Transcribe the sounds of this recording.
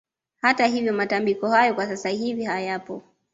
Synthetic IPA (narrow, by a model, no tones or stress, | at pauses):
hatahivjɔmatambikɔhajɔkwasasahivihajapɔ